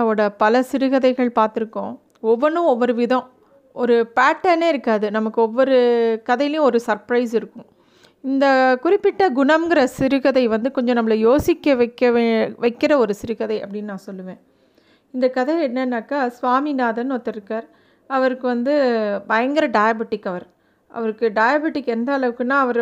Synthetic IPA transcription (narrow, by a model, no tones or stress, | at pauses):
ɔɽɐpɐlɐsɪɾɯɣɐðɐɪɣɐɭpaːɾt̪ɪɾɯkːõ̰ː | ɔʋːɔnɯ̃ɔʋːɔɾɯʋɪðɐ̃ | ɔɾɯpaːʈːɐneːɪɾɯkːaːðɯnɐmɐkːɯɔʋːɔɾɯkɐðɐɪjɪlɐjʊ̃ɔɾɯsɐɾpɾɐɪsɪɾɯkːʊ̃ | ɪnd̪ɐkʊɾɪpːɪʈːɐɡʊɳɐmɡɪɾɐsɪɾɯɣɐðɐɪʋɐnd̪ɯkɔɲd͡ʒɔ̃nɐmːɐlɐjoːsɪkːɐkːɐʋɐɪkːɪɾɐɔɾɯsɪɾɯkɐðɐɪɐ̰pːɐɽɪnːnãːsɔlːɯʋẽː | ɪnd̪ɐkɐðɐɪɛnːɐɪnːaːkːaːsʋaːminaːðɐnot̪ːɪɾɪɾɯkːaːɾ | ɐʋɐɾɯkːɯʋɐnd̪ɯbɐjɐŋɡɪɾɐɖɐjabɪʈːɪkːɐʋɐɾ | ʔɐ̰ʋɐɾɯkːɯɖɐːjabɪʈɪkːɛnd̪ɐɐɭɐʋɯkːɯnːaːɐʋɐɾ